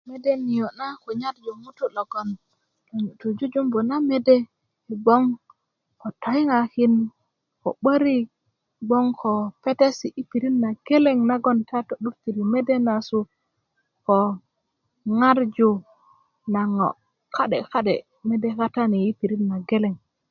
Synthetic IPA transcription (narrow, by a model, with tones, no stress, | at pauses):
me˦de˦ni˨jo˨na˦ko˨ɲa˦ɾd͡ʒo˨mu˦tu˦lo˨ɡo˨n | lo˨to˨d͡ʒu˦d͡ʒu˦mbo˨na˦me˦de˦˨ | ɡ͡bo˦ŋ | ko˨to˨i˦ŋa˨ki˦n | ko̰˨ɓə˦ɾi˦ | ɡ͡bo˦ŋkʰo˨pe˦te˦si˨ʔi˦pi˨ɾi˦nna˨ɡe˦le˦˨ŋna˦ɡo˦nta˦to˨ɗu˦ɾti˨ɾi˨me˦de˦na˨su˦ | ko˨ | ŋa˦ɾd͡ʒu˨ | na˨ŋo̰˨ | ka˦ɗe˨ka˦ɗe˨ | me˦de˦ka˦ta˦ni˨ji˦pi˨ɾi˦nna˨ɡe˦le˨ŋ